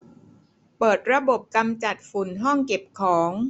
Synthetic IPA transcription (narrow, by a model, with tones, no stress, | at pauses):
pɤː˨˩t̪̚ɾa˧bo˨˩p̚ka˧mt͡ɕa˨˩t̪̚fu˨˩˦nɦɔ˥˩ŋke˨˩p̚kʰɔː˩˦ŋ